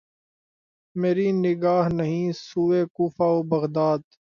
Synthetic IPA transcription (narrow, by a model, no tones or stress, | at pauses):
meːɾiːnɪɡaːɦnəɦĩːsuːeːkuːfaːoːbəɣd̪aːd̪